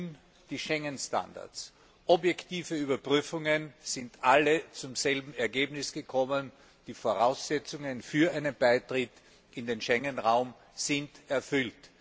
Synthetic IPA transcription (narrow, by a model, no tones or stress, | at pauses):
n | d̥iːʃɛŋənsta̰nda̰ɐt͡s | ʔɔbjɛktʰiːfəyːbɐpʁyːfʊŋənz̥ɪntʔalət͡sʊmzɛlbm̩ɛɐɡeːbnɪsɡ̥əkʰɔmən | d̥iːfoːɐʁaʊsz̥ɛt͡sʊŋənfyːɐʔaɪnənbaɪtʁɪt | ʔɪndeːnʃɛŋənʁaʊm | z̥ɪntɛɐfʏlt